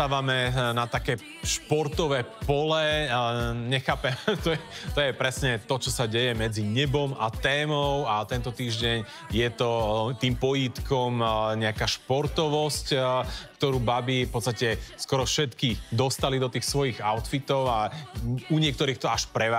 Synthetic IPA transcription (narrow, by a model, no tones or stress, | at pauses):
aːʋamɛnat̪akɛː | ʃpɔɾt̪ɔʋɛːpɔlɛ | ɲɛxaːpɛmt̪ɔjɛt̪ɔjɛpɾɛsɲɛt̪ɔt͡ʃɔsaɟɛjɛmɛd͡ziɲɛbɔmat̪ɛːmɔʊat̪ɛnt̪ɔt̪iːʒɟɛɲ | jɛt̪ɔt̪iːmpɔjit̪kɔmɲɛakaːʃpɔɾt̪ɔʋɔsckt̪ɔɾuːbabifpɔt̪st̪acɛskɔɾɔfʃɛt̪kid̪ɔst̪alid̪ɔt̪iːxsʋɔjiɣaʊt̪fit̪ɔʊa | uɲɪɛk̚t̪ɔɾiːxt̪ɔaʃpɾɛʋa